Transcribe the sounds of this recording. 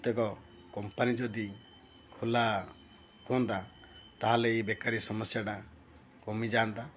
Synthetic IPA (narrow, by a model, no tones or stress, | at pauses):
t̪ekɔ | kɔmpanid͡ʒɔd̪i | kʰola | kɔnt̪at̪aɦaleebekaɾisɔmɔsjaʈa | kɔmid͡ʒant̪a